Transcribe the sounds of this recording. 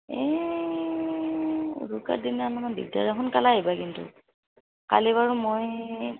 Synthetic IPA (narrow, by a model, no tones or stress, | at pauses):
ɛ | ṵduka̰dinanakandḭɡ̚da̰ɹaɦɔnkalaɦibakintʊ̰ | ka̰liβaɹumoj